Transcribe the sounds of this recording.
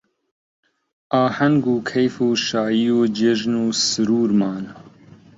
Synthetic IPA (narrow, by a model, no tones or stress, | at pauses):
ʔaːhɐŋɡuːkʰejfuːʃaːjijoːd͡ʒɪʒnuːsɨɾuːɾmaːn